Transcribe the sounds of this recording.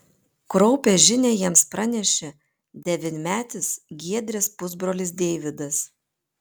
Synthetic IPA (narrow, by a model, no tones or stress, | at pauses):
kɾɔʊpʲeːʒʲɪnʲeːjiɛmspɾɐnʲɛʃʲɛ | d̪ʲɛʋʲɪnʲmʲæːt̪ʲɪsɡʲiɛd̪ʲɾʲɛspʊzbɾoːlʲɪs̬d̪ʲeːʋʲɪd̪ɐs